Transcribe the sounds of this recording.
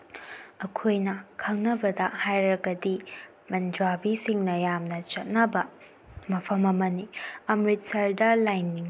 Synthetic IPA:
ɐkʰojnɐkʰɐŋnɐbɐdɐhajɾɐɡɐdi | mɐnd͡ʒwabisiŋnɐjamnɐt͡ʃɐt̚nɐbɐ | mɐpʰɐmɐmɐniɐmɾit̚sɐɾdɐlajnːiŋ

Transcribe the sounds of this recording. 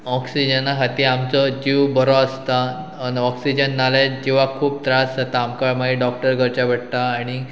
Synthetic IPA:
ɔksid͡ʑənakʰat̪iːamt͡sɔd͡ʑiʋbəɾɔəst̪aː | nɔksid͡ʑənːaled͡ʑiʋ̤akʰuːb̚t̪ɾasd͡zat̪aːmkaɭmaɦiɖɔk̚ʈəɾɡʱəɾt͡ɕabəɽt̪aːɽ̃i

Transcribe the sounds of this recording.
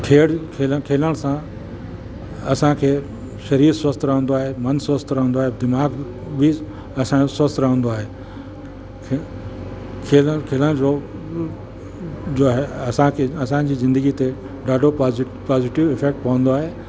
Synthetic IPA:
kʰeːɽkʰeːləkʰeːləɽ̃sã | ɐsãkʰeː | ʃɐɾiːɾswɐst̪ɾɐɦə̃nd̪oaːɦemɐnsʋɐst̪ʰɾəɦə̃nd̪oaːɦed̪ɪmaːɡ | bi | ɐsãosʋɐst̪ɾəɦə̃nd̪oaːɦeː | kʰ | kʰeːləkʰeːləɽ̃d͡ʑoː | d͡ʑoːɦeɐsãkʰeɐsãd͡ʑiːzɪ̃nd̪əɡit̪e | ɖaːɖʱo | paːzɪʈɪʋɪfeːk̚ʈ̚pɐʋə̃nd̪oaːɦeː

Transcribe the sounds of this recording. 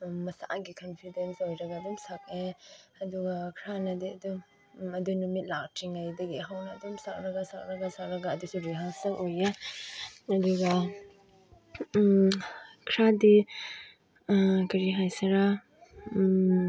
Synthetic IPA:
mɐsa̰ʔɡikʰɔnpʰidensojɾɐɡaːdɔmsak̚eɐduɡakʰɾanɐdiɐdum | ɐdujnumit̚lak̚tʰiŋajdɐɡiɦawnɐːdɔmsak̚ɾɐɡasak̚ɾɐɡasak̚ɾɐɡaːdusuɾiɦasɐkoje | ɐduɡa | kʰɾadi | kɐɾiɦajsɐɾa

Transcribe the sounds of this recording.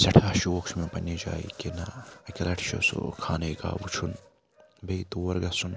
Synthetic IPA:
sɐʈʰaːʃuokt͡ʃʰmẽpɐnːed͡ʒa̰ːḭkenaɐkʲɐlɐʈʰʃo̰ːso̰kʰaːneːka̰ːbut͡ʃʰun | bejt̪uːwɐɾɡɐsun

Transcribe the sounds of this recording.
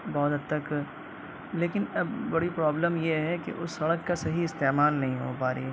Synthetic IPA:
bɔːt̪ɐt̪ɐk | leːkɪnɐbbɐɽipɾaːbləmjeɦɛkḛʔʊsːɐɽəkːasɐɦiɪst̪eːmaːlnɐɦĩɦɦopaːɾḭ

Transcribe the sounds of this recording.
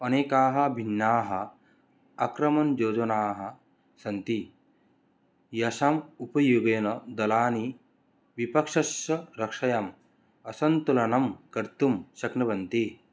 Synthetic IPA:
ɐneːkaːɦɐ̆bʱinːaːɦɐ | ɐkɾɐmɐnd͡ʒoːd͡ʒɐnaːɦɐ̆ | sɐnt̪i | jɐsamupɐjuɡeːnɐd̪ɐlaːni | ʋipɐkʂɐsɐɾɐkʂɐjɐm | ɐsɐnt̪ulɐnɐmkɐɾt̪umʃɐknɐʋɐnt̪i

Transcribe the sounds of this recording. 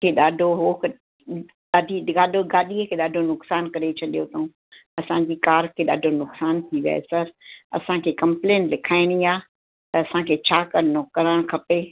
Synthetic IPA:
kʰeːɗaːɖʱoɦoːk | aːɖʱiɡaːɖʱoɡaːɗiəkʰeːɗaːɖʱonʊksaːnkɐɾet͡ɕʰɐɗijot̪ʰũ | ɐsãɲd͡ʑikaːɾkʰeːɗa̰ːɖʱonʊksaːnt̪ʰiʋja̰ḛsɐɾɐ̰sãkʰeːkɐ̃mplẽːnlɪkʰaːɪɽ̃iaː | t̪ɐɐsãkʰeːt͡ɕʰaːkɐɾnokɐɾəɽ̃kʰɐpe

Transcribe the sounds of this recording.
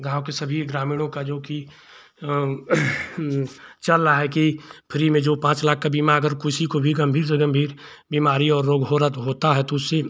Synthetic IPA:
ɡʱaːwkesɐbʱiɡɾaːmiːɽ̃õkad͡ʒoːki | t͡ʃɐlːaɦɛkipʰɪɾimẽd͡ʒoːpãːt͡ʃlaːk̚ʰːabiːmaəɡəɾkʊsikobʱiɡɐmbʱiːɾseɡəmbʱiːɾ | biːmaːɾiɔːɾːoːɡɦoːɾət̪ɦoːt̪aɦɛt̪oʊsːe

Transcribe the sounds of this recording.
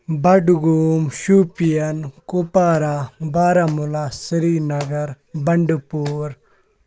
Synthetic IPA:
bɐɖɡumɕupijɐnkupaːɾabaːɾamulasiɾinɐɡɐɾ | bɐɳɖpuːɾ

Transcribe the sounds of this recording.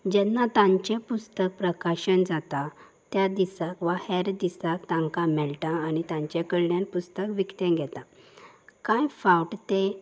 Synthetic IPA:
d͡ʑɛnːat̪ãɲt͡ɕẽpust̪ək̚pɾəkaɕənd͡zat̪a | t̪jad̪isakʋahɛɾd̪isakt̪ãŋkamɛɭʈãːnit̪ãɲt͡ɕẽkəɭɳjẽnpust̪əkʋikt̪ɛ̃ɡʱɛt̪ã | kãjfawʈt̪e

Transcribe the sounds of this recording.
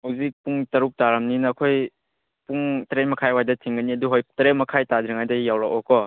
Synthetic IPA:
hawzik̚puŋtɐɾuk̚taɾɐmninɐːkʰoj | puŋtɾenmɐkʰajwajdɐtʰiŋɡɐniɐduɦojtɐɾemɐkʰajtadɾiŋajdɐjawɾakɔkɔ

